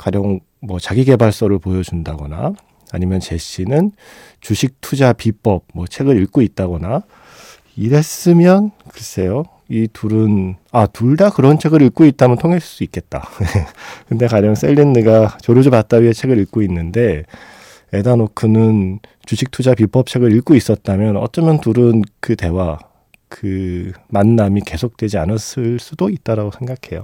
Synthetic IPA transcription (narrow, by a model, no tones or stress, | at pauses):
kwad͡ʑʌŋ | mwʌt͡ɕaɡiɡe̞baɭs͈ʌɾɯɭpojʌd͡ʑundaɡʌna̰ː | ɲimjʌnt͡ɕe̞ɕ͈ʰinɯn | t͡ɕuɕʰik̚tʰud͡ʑapip͈ʌp̚mwʌt͡ɕʰeɡɯɾiɭk͈oit̚t͈aɡʌna | iɾe̞s͈ɯmjʌnkɯʌs͈ʰe̞jo | ituɾɯnatuɭdakɯɾʌnt͡ɕʰe̞ɡɯɾiɭk͈oit̚t͈amjʌntʰoŋɦe̞ɭs͈uik͈e̞t̚t͈aekɯnde̞kad͡ʑʌŋs͈e̞ʎːinːɯɡat͡ɕoɾod͡ʑupat̚t͈aɥiɦet͡ɕʰe̞ɡɯɾiɭk͈oinːɯnde̞ | edanokʰɯnɯn | t͡ɕud͡ʑʰik̚tʰud͡ʑapip͈ʰʌp̚t͡ɕʰe̞ɡɯɾiɭk͈ois͈ʌt̚t͈amjʌnʌt͡ɕ͈ʌmjʌntuɾɯnkɯte̞wa | kɯmanːamike̞sʰok̚t͈we̞d͡ʑianɯs͈ɯɭs͈udoit̚t͈aɾaɡosʰe̞ŋɡakʰe̞jo̰